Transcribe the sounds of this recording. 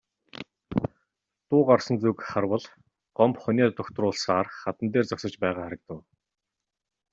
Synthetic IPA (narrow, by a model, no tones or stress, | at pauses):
t̪ʊːqɔrsɞ̆nt͡sukχarwə̆ɮ | ɢ̥ɔmpχʊnʲiːt̪ʊkʲt̪rʊːɮsaːrχat̪ə̆nt̪eːrt͡sɔksə̆t͡ɕpæːʁaːχaɾə̆k̚t̪ə̆w